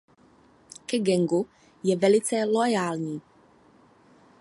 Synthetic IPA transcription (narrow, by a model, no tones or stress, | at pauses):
kɛɡɛŋɡu | jɛvɛlɪt͡sɛlojaːlɲiː